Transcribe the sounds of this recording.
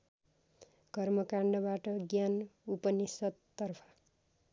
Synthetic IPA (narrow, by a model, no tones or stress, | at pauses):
ɡʌrmʌkaɳɖʌbaʈʌɡjanupʌnisʌt̪ːʌrpʰʌ̥